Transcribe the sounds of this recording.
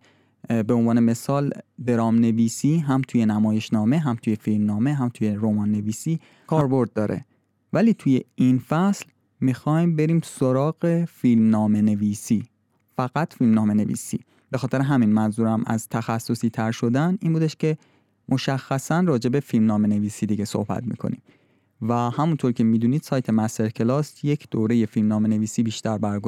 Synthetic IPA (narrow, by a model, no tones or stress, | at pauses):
beonvɒːne̞me̞sɒːld̪e̞ɾɒːmne̞viːsiːɦæmt̪ʰuːje̞næmɒːje̞ʃnɒːme̞ɦæmt̪ʰuːje̞filmnɒːme̞ɦæmt̪ʰuːje̞ɾomɒːnːe̞viːsiː | kʰɒːɾbo̞ɾd̪̚ːɒːɾʔḛ | væliːt̪ʰuːje̞infæsl | mixɒjmbe̞ɾiːmso̞ɾɒːɣe̞filmnɒːme̞ne̞viːsiː | fæɣæt̪filmnɒːme̞ne̞vḭːsḭː | b̥e̞xɒːt̪e̞ɾeɦæminmænzuːɾæmʔæ̰zt̪ʰæxæsːo̞siːt̪ʰæɾʃo̞d̪æninbuːd̪eʃcʰe̞ | mʔo̞ʃæxːæsænrɒːd͡ʒe̞be̞filmnɒːme̞ne̞viːsiːd̪iɟe̞so̞̰hbæ̰t̪mḭkʰo̞̰nḭm | væhæmunt̪ʰoɾcʰe̞miːd̪uːniːd̪sɒːjt̪ʰe̞mæst̪eɾcʰelɒːsje̞cʰd̪̥oːɾe̞je̞filmnɒːme̞ne̞viːsiːbiːʃt̪æɾbæɾɡo